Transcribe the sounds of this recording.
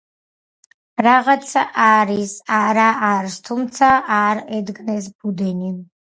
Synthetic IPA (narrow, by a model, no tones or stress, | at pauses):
ɾaʁat̪sʰaʔaɾisaɾaaɾst̪ʰumt̪sʰaʔaɾɛd̪ɡnɛs̬bud̪ɛni